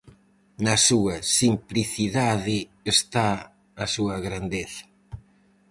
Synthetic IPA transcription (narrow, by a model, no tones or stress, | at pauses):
nɐsuɐsimpliθiðaðɪ | est̪aː | suɐɣɾand̪eθɐ̥